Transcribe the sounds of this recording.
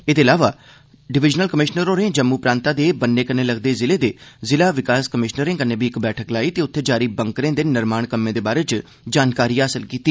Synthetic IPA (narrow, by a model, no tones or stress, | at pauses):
eːd̪eːlaːʋaː | ɖɪʋɪd͡ʒnəlkəmɪʃnəɾõːɾẽːd͡ʒəmːuːpɾãːnt̪aːd̪eːbənːeːkənːeːləɡd̪eːzɪleːd̪eːzɪlaːʋɪkaːskəmɪʃnəɾẽːkənːeːbʱiɪkbɛːʈʰəklaːiːt̪eːʊt̪ʰːeːd͡ʒaːɾiːbəŋkɾẽːd̪eːnɪɾmaːɳ̃kəmːẽːd̪eːbaːɾeːt͡ʃ | d͡ʒaːnkaːɾiːaːsəlkiːt̪iː